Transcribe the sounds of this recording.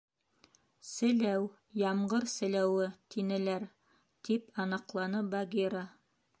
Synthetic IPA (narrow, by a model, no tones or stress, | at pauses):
sɘ̆læw | jɑmɢɤɾsɘ̆læwɘt̪ʰinɘ̆læɾ | t̪ipʰɑnɑqlˠɑnɤbaɡʲiɾa